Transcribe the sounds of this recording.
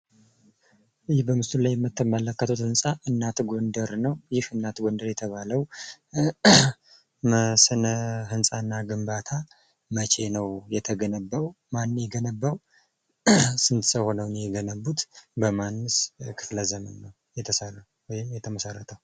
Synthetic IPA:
jɪhbəmɨst̪ulajːɛmːɨt̪ːəmələkːət̪ʰot̪hɨnsʼaʔɨnːat̪ɡo̞nd̪əɾnəwjɪhɨnːat̪ɡo̞nd̪əɾjɛt̪ʰəβaləw | məsɨnəɦɨnsʼanːaɡɨmbat̪ʰa | mət͡ʃʼe̞nəwjɛt̪ʰəɡənəbːaw | manːjɛɡənəbːaw | sɨnt̪səho̞nəwnjɛɡənəbːut̪bəmanːɨskʰɨfləzəmənːəw | jɛt̪ʰəsərːə | wɔjɪmjɛt̪ʰəməsərːət̪ʰəw

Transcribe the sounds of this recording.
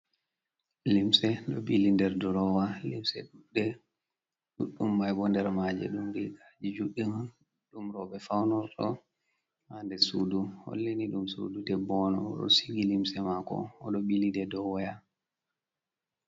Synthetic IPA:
limsɛɗɔɓilindɛɾdɔɾɔwalimsɛɗuɗːɛ | ɗuɗːumːajbɔndɛɾmad͡ʒɛ̰ɗumdɛɡad͡ʒid͡ʒuɗːiman | ɗumɾɔbɛfawnɔɾtɔ | handɛsuduhɔ̰lːeniɗumsṵdudɛbɔnɔ̰ɗɔ̰siɡilimsɛmakɔ̰ɔɗɔɓilidɛdɔwɔja

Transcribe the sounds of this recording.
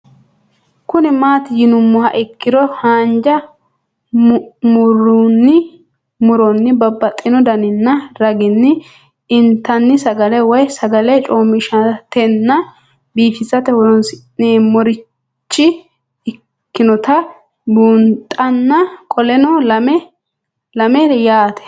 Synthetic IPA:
kʊnɪmaːt̪ɪjɪnʊmːɔhɐʔɪkːɪd̪ɔhaːnd͡ʒɐ | mʊɾunːɪ | mʊɾɔnːɪbɐbːɐt̪ʼːɪnɔd̪ɐnɪnːɐɾɐɡɪnːɪ | ɪnt̪ːɐnːɪsɐɡɐlɛwɔjsɐɡɐlɛt͡ʃʼoːmːɪʃɐt̪ɛnːɐ | biːfɪsɐt̪ɛhɔɾɔnsneːmɔɾɪ | t͡ʃːɪ | ɪ | kːɪnɔt̪ɐ | buːnt̪ʼɐnːɐkʰʼɔlɛnɔlɐmɛ | lɐmɛjaːt̪ɛ̥

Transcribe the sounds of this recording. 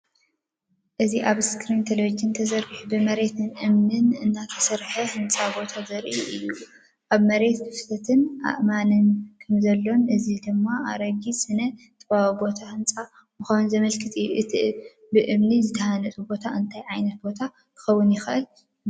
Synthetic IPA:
ʔɨziʔaβskɾint̪ʰɐlod͡ʒint̪ʰɐzɐɾɡɨħubɨmɐɾe̞t̪ʰɨnʔɨmnɨnɨnːat̪ʰɐ̥sɐɾħɐhɨnt͡sʼabo̞t̪ʰazɐɾʔiʔɨjːu | ʔaβmɐɾe̞t̪kʰɨft̪ʰɐt̪ʰɨnʔa̰ʔmanɨnkʰɐmzɐlːo̞nʔɨzid̪ɨmːaʔa̰ɾɐɡisɨnɐ | t̪ʰʼɐβawubo̞t̪ʰahɨnt͡sʼa | mɨxawnzɐmɐlkʰɨt̪ʼɨjːuʔɨt̪ʰiʔ | bɨʔɨmnizɨt̪ʰɐhanɐt̪ʼubo̞t̪ʰaʔɨnt̪ʰajʕajnɐt̪̚bo̞t̪ʰa | k̪ʰɨ̥xɐwːʊnjɪxɨʔɨl

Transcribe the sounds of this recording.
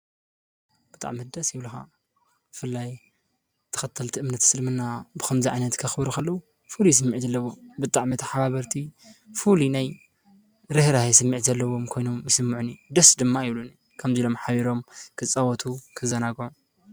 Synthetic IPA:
b̥ɨt̪ʼa̰ʕmid̪ɐsjiβluxa̰ | bɨfɨlːaj | t̪ʰɐ̥xɐt̪ʰːɐlt̪ʰiʔɨmnɐt̪ʰsɨlmɨnːabɨxɐmziʕajnɐt̪kʰɐxɨbɾukʰɐlːɐwu | fulijɛs̬ɨmːiʕzɐlːɐwo̞bɨt̪ʼaʕmit̪ʰɐħaβaβɐɾt̪ʰi | fulinaj | ɾɨhɾahjɛsɨmːiʕzɐlːɐwo̞mkʰo̞jno̞mjɪsɨmːɨʕunid̪ɐsd̪ɨmːaiβluni | kʰɐmzilo̞mħaβiɾo̞mkʰɨt͡sʼːawɐt̪ʰukʰɨzɐnaɡʕu

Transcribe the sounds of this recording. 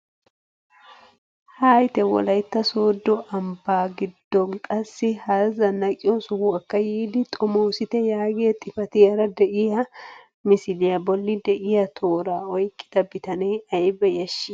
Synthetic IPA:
haːjt̪ɛwɔ̰lɐjt̪ːɐsoːd̪ːɔʔɐmbaːɡɪd̪ːɔŋkʼɐsːɪhɐzɐnɐkʼɪjɔsʊhʊɐkːɐjiːd̪ɪt̪ʼɔmoːsɪt̪ɛjaːɡeɛt̪ʼɪfɐt̪ɪjɐɾɐd̪ɛʔɪjɐ | mɪsɪlɪjɐbɔlːɪd̪ɛʔɪjɐt̪ʰoːɾaːɔjkʼːɪ̥d̪̥ɐbɪt̪ɐneːɐjbɛjɐʃːɪ

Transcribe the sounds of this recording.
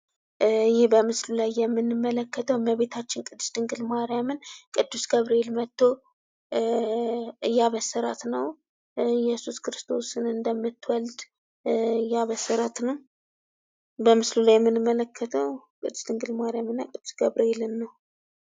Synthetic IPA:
jɪhbəmɨslulajːɛmːɨnːɨmːələkːət̪ʰəwməβe̞t̪ʰat͡ʃːɪnkʼɨd̪ːɨ̥st̪ɨŋɡɨlmaɾjamɨnkʼɨd̪ːusɡəβɾeelmət̪ːo̞ | ɨjːaβəsːəɾa̰t̪nəw | jɛsuskɨɾɨst̪ʰo̞sɨnɨnd̪əmːɨt̪ːwəld̪ | ɨjːaβəsːəɾat̪nəw | bəmɨslulajɛmːɨnɨmːələkːət̪ʰəwkʼɨd̪ːu̥st̪ʰɨŋɡɨlmaɾjamɨnːa̰kʼɨd̪̥ːusɡəβɾeelɨnːəw

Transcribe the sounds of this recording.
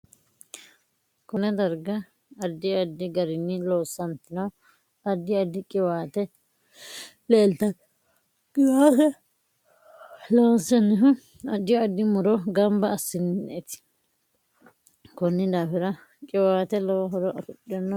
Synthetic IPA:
kʊnɛd̪ɐɾɡɐː | d̪ːɪɐd̪ːɪɡɐɾɪnːɪloːsːɐnt̪ɪnɐw | ɐd̪ːɪɐd̪ːɪkʼɪwaːt̪ɛ | leːlt̪ɐ | kʼɪwaːkɛ | loːsɛnːɪɦʊ | ɐd̪ːɪjɐd̪ːɪmʊɾɔɡɐmbɐːsːɪnːɪnɛt̪ɪ̥ | kɔnːɪd̪aːfɪɾɐ | kʼɪwaːt̪ɛlɔɦɔɾɔʔɐfʊɗɪɔnːɐ

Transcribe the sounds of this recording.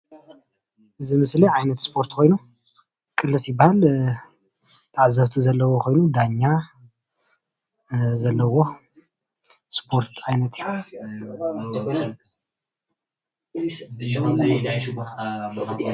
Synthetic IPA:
ʔɨzimɨsliʕajnɐt̪spʰo̞ɾt̪ʰkʰo̞jnu | kʼɨlːɨsjɪbːahal | t̪ʰaʕzɐβt̪ʰizɐlːɐwokʰo̞jnud̪aɲːa | zɐlːɐwo̞ | spʰo̞ɾt̪ʰʕajnɐt̪j

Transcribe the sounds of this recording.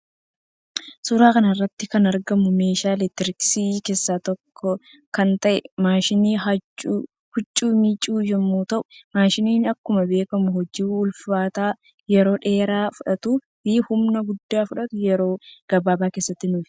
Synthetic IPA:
sʊɾaːkɐnɐrːɐt̪ːɪkɐnɐɾɡɐmʊmeːʃaːlɛt̪ɪɾɪksiːke̞ːsːaːt̪ɔkʰːɔ | kɐnt̪ɐʔɛmaːʃɪniːɐt͡ʃː | hʊt͡ʃʼːuːmit͡ʃʼuːjɛmːuːt̪ɐʔʊ̥maːʃɪniːnɐkːʊmɐbe̞ːkɐmʊhɔd͡ʒiʊlfaːt̪aː | jɛɾo̞ːᶑe̞ːɾaːfʊᶑɐt̪ʊ | iːhʊmnɐɡʊd̪ːaːfʊᶑɐt̪ʊjɛɾo̞ːɡ̥ɐbaːbaːke̞ːsːɐt̪ːɪnʊːf

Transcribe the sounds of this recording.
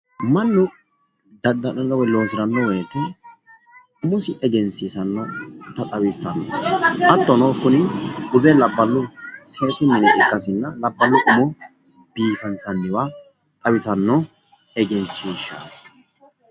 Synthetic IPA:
mɐnːʊ | d̪ɐd̪ːɐnɐnːɐwɛloːsɪɾɐnːɔwɛːt̪ɛ | ʊmʊsɪʔɛɡɛnsisɐnːɔt̪ɐt̪ʼɐwɪsːɐnːɔʔɐt̪ːɔnoːkːʊnɪʊzɛlɐbːɐlːʊseːsʊmːɪnɛʔɪkʼːɐsɪnːɐlɐbːɐlːʊʔʊmɔ | biːfɐnsɐnːɪwa | t̪ʼɐwɪsɐnːɔ | ɛɡɛnsiːʃa̰ːt̪

